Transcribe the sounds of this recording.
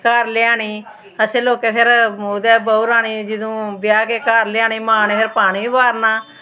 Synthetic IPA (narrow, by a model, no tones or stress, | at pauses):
kaːɾlɪaːɳiː | əsẽːloːkeːpʰɪɾmoːd̪ɛːbəuɾaːɽ̃iːd͡ʒɪd̪õːbjaːkeːkaːɾlɪaːɳiːmaːneːpʰɪɾpaːɽ̃iːbaːɾnaː